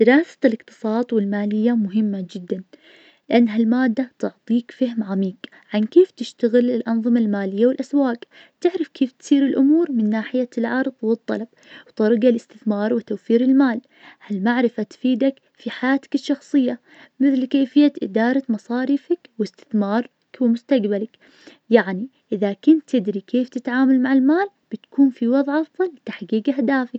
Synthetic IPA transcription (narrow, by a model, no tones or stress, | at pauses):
d̪̥ɪɾɑːsḁlɪqt̪ɨ̥sˤɑːt̪ˤwɪlmaːlɪjːamʊɦɪmːad͡ʒɪd̪ːan | lɪʔanːɦalmaːd̪ːat̪ʊʕt̪ˤiːkfahmʕamiːk | ʕankeːft̪ɪʃt̪aɣɪlɪlʔɑnðˤɨmalmaːlɪjːawɪlʔaswaːk | t̪ɪʕɾɪfkʰeːft̪siːɾɪlʔʊmuːɾmɪnːaːħɪjalʕɑɾˤðˤwɨt̪ˤːɑ̰lɑb̚ | wt̪ɑɾˤɡalɪst̪ɪθmɑːɾˤwɪt̪awfiːɾɪlmaːl | halmaʕɾɪfat̪fiːd̪ak | fiħajaːt̪ḁkɪʃːɑxsˤɨjːa | mɪθlkeːfɪjːaʔɪd̪ɑːɾˤɑmɑsˤɑːɾiːfakwɪst̪ɪ̥θmɑːɾˤ | kwɪmʊst̪aɡbalak | jaʕniʔɪðakʊnt̪ːɪd̪ɾikʰeːft̪ɪt̪ʕaːmalmaʕɪlmaːl | b̥ɪt̪kuːnfiwɑðˤʕʔɑfðˤɑlːt̪aħɡiːɡahd̪aːfak